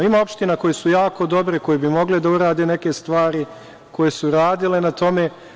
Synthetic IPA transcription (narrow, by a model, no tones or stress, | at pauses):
imao̞pʃt̪inako̞jesujaːko̞d̪o̞bɾeko̞jebimo̞ɡled̪auɾaːd̪e̞ne̞ke̞st̪ʋaːɾi | ko̞jesuɾaːd̪ile̞nat̪o̞me̞